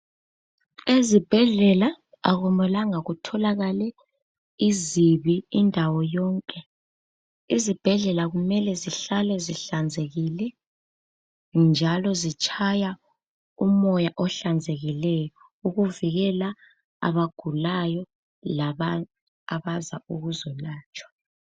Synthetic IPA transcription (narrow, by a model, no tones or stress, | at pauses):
ezib̥ʱɛɮɛla | aɣumɛlaŋaɣutʰɔlaɣalɛ | iziβiːndʱawɔjɔːŋkʼɛ | izib̥ʱɛɮɛlaɣumɛlɛziɬalɛziɬand͡zʱeɣilɛ | nd͡ʒʱalɔzit͡ʃʼʰaja | umɔjaʔɔɬand͡zʱeɣilɛjɔ | uɣuviɣɛla | a̰βaɡ̥ʱulajɔ | laβa | aβazauɣuzɔlaːt͡ʃʼwḁ